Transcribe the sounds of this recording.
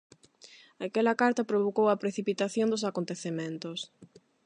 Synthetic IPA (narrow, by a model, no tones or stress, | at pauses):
ɐkɛlɐkaɾt̪ɐpɾoβokowɐpɾeθipit̪aθjond̪osakont̪eθemẽnt̪os